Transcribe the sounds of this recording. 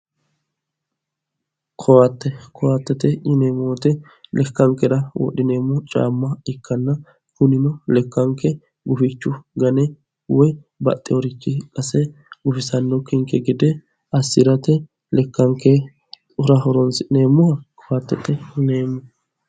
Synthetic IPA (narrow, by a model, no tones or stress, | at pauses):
kʰɔwat̪ːɛkʰɔwat̪ːɛt̪ɛʔɪneːmoːt̪ɛ | lɛkːɐŋkːɛɾɐwɔ̰ɗɪne̞ːmːɔt͡ʃʼa̰ːmːɐɪkːɐnːɐ | kʊnɪnɔlɛkːɐŋkɛ | ɡʊfɪt͡ʃːʊɡɐnɛ | wɔj | bɐ̰t̪ʼːɛwɔɾɪt͡ʃːɪkʼɐsɛɡʊfɪsɐnːɔkɪŋkːɛɡɪd̪ɛ | ɐsːɪɾɐt̪ɛ | lɛkːɐŋkːɛ | ʊɾɐhɔɾɔnsɪne̞ːmːʊhɐkʰɔwat̪ːɛt̪ːɛɪneːmːʊ